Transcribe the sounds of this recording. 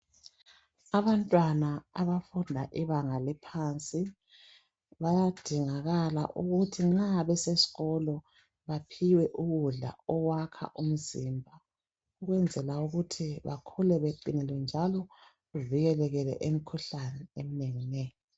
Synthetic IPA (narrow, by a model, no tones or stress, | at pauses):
aβantʼwanaa̰βafundʱaʔiβaŋalipʰant͡sʼi | βajad̥ʱiŋaɣala̰ʔuɣutʰiŋ͡ǁaβɛsesi̥ɣɔlɔ | βapʰiwɛʔuɣuɮa̰ɔwakʰa̰ʔum̩zimbʱa | uɣwɛnd͡zʱɛlauɣutʰiβa̰kʰulɛβeǃinɛlwɛnd͡ʒʱalɔ | ɣuviɣɛlɛɣɛlɛ̰ʔemikʰuɬanɛem̩neŋinɛjɔ